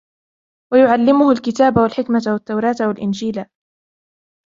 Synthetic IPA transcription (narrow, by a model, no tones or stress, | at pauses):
wajʊʕalːɪmʊhʊlkɪt̪aːbawalħɪkmat̪wat̪ːawɾˤɑːt̪walʔɪnd͡ʒiːla